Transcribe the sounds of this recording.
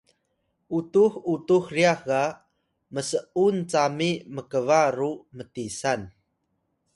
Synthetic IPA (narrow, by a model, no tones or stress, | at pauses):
ʔutuxutuxriaxɡa | məsəʔunt͡samiməkəvaɾumətisan